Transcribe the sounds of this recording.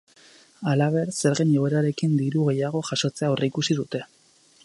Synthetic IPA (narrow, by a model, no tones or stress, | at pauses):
alaβ̞e̞ɾse̞ɾɣeɲeɣeɾaɾe̞kind̪iɾuɣ̞e̞jaɣ̞o̞ʝaʃo̞t͡se̞aoreikusiðut̪e̞